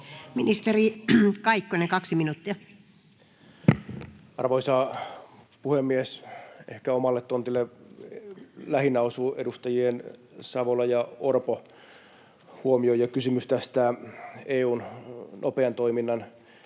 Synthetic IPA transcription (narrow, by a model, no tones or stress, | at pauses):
minist̪erikɑikːonekɑksiminut̪ːiɑ | ɑrʋoisɑː | puhemːiesehkæomɑlːet̪tont̪ilːe | læhinɑosuːʔḛdust̪ɑjien | sɑʋolɑjɑorpo | huomiojɑkysymyst̪æst̪æeːuːnnʔopeɑnt̪oiminːɑn